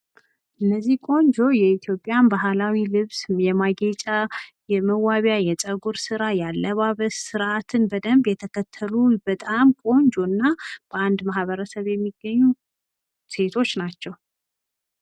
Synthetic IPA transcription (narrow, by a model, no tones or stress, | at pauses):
ʔɨnːəzːihkʼo̞ɲd͡ʒo̞jɛit̪ʰjo̞pʼːjanbaɦalawilɨβsjɛmaɡet͡ʃʼajɛməwaβjajɛt͡sʼəɡuɾsɨɾajalːəβaβəssɨɾʔat̪ʰɨnbəd̪əmbjɛt̪ʰəkʰət̪ʰːəlubət̪ʼamkʼo̞ɲd͡ʒo̞nːab̥əand̪mahβəɾəsəβjɛmːiɡəɲːu | se̞t̪ʰo̞t͡ʃːnat͡ʃːɛw